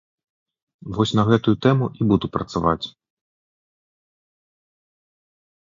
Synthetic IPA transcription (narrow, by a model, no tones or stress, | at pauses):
vɔsʲnɐɣɛt̪ujut̪ɛmuʔibud̪upɾɐt̪sava̰t͡sʲ